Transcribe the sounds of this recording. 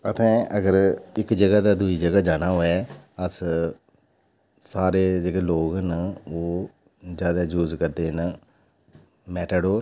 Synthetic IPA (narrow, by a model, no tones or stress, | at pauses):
ət̪ʰɛ̃ːəɡəɾɪkd͡ʒəɡaːd̪aːd̪uiːd͡ʒəɡaːd͡ʒaːɽ̃aːɦoːɛːəs | saːɾeːd͡ʒəɡeːloːɡənoː | d͡ʒjaːd̪aːd͡ʒuːzkəɾd̪eːn | mɛːʈ̪əɖoː